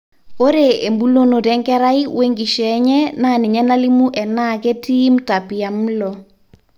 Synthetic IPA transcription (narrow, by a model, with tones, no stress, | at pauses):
o˦ɾe˨e˨mbu˦lo˦no˨ɾɛ˦ŋɡɛ˦ɾa˦i˦we˦ŋɡi˨ʃɛ˨˦ɲɛ˦na˦˨ni˨ɲɛ˦na˦li˦mu˦ʔɛ˨na˦˨kɛ˦tiː˦m̩˦ta˨pi˨a˨m̩lɔ˨